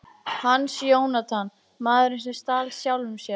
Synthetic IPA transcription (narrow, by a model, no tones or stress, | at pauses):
hanːsjoːwnat̪ʰan | maːðʏɾɪns̬ɛst̪aːlsjawlʏmsjɛ